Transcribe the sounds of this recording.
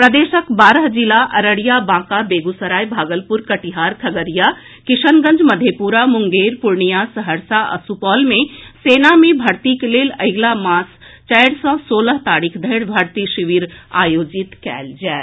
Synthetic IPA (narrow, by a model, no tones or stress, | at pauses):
pɾəd̪eːʃəkbaːɾəɦd͡ʒilaʔɐɾəɽijabãːkabeːɡusəɾaːjbʱaːɡəlpuɾkəʈiɦaɾkʰəɡəɾija | kiʃʰənɡə̃nd͡ʒməd̪ʱjepuɾamuŋɡeɾpuɾɳijasəɦəɾsaə̰supɔːlmeseːnamẽbʱɐɾt̪ikelelə̰ɪɡlamãːst͡ʃɛjɽsə̃soːləɦt̪aːɾikʰd̪ʱəɪɽbʱəɾt̪iʃiʋiɾa̰ːjoːd͡ʒit̪kɛ̰ːld͡ʒɛː